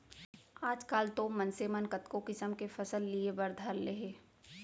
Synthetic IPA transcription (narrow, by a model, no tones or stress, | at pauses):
aːd͡ʒkaːlt̪omɐnsemənkət̪kokɪsəmkefɐsəlːiebɐɾd̪ʱalːeɦeː